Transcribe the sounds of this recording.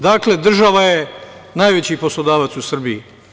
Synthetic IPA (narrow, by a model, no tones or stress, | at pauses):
d̪aːkle̞d̪r̩ʒaʋajenaːjʋet͡ɕiːpo̞slod̪aːʋat̪susr̩biji